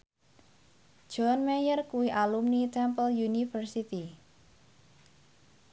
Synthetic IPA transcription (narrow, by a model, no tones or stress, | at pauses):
d̥ʒ̥ɔnmɛjərkuwiʔalumnit̪ɛmpəljunifərsit̪i